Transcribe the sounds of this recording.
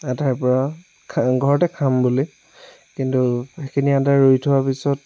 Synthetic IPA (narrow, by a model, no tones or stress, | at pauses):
ataɹpɔɹa | kʰɡʱɔɹɔtɛkʰambuli | kintuxekʰiniataɹoitʰuwapisɔt